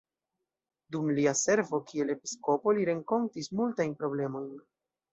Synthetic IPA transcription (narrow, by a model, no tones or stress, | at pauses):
dumliase̞ɾvo̞kie̞le̞pi̥sko̞po̞liɾe̞ŋko̞ntismultajnpɾo̞ble̞mo̞jn